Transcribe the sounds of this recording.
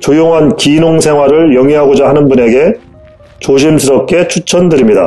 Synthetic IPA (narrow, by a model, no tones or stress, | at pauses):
t͡ɕojoŋɦankinoŋsʰe̞ŋɦwaɾɯɭjʌŋiɦaɡod͡ʑaɦanɯnbune̞ɡe̞ | t͡ɕoɕ̬ʰimsʰɯɾʌp̚k͈e̞t͡ɕʰut͡ɕʰʌndɯɾimɲida̰